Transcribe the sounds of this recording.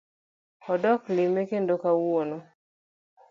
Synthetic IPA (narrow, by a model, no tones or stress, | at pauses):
ɔdɔklimekendokawono